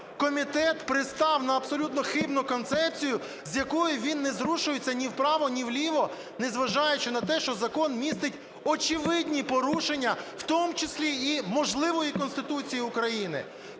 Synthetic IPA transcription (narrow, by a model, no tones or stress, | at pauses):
kɔmʲit̪ɛt̪pɾɪst̪ɑwnɐːbsɔlʲut̪nɔxɪbnʊkɔnt̪sɛpt͡sʲijʊ | zʲjɐkɔjʊʋʲinːɛzɾuʃʊjet͡sʲːɐnʲiwpɾɑʋɔnʲiwlʲiʋɔ | nezʋɐʒɑjet͡ʃɪnɐt̪ɛʃt͡ʃɔzɐkɔnmʲist̪ɪtʲ | ɔt͡ʃɪʋɪdʲnʲipɔɾuʃenʲːɐw̥t̪ɔmʊt͡ʃɪsʲlʲiːmɔʒlˠɪʋɔjikɔnst̪ɪt̪ut͡sʲijiʊkɾɐjinɪ̰